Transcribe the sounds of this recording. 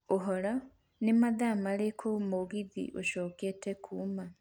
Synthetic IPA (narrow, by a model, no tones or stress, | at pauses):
oɦɔla | nemaðamalekʰomoɣiðḭʔoʃoːketekʰuːma